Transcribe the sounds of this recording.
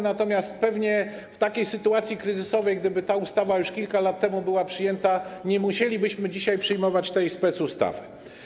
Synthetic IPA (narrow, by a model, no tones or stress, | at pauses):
nat̪ɔmʲjast̪̚pɛvɲɛ | ft̪akʲejsɘt̪uat̪sʲjikɾɘzɘsɔvɛjɡd̪ɘbɘt̪aust̪avajuʂkʲilkalat̪ːɛmubɘwapʂɘjɛnt̪aɲɛmuɕelʲibɘɕmɘd͡ʑiɕajpʂɘjmɔvat͡ɕt̪ɛjspɛt̪sust̪a̰vɘ